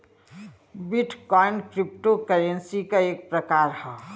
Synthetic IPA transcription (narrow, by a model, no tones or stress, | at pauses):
biʈʰkɔɪɳɖkɾɪp̚ʈokəɾẽnsikaeːk̚pɾəkaːɾhɛ